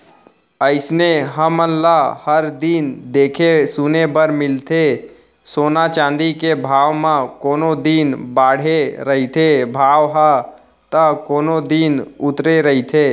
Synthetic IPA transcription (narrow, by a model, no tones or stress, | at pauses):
əɪsneɦəmənlahəɾd̪ind̪eːkʰesunebəɾmɪlt̪ʰe | soːnat͡ʃãːnd̪ikebʱaːʋmãkoːnod̪inbaːɽ̤eɾəɦit̪ʰebʱaːʋɦa | t̪əkoːnod̪iːnʊt̪ɾeɾəɦit̪ʰeː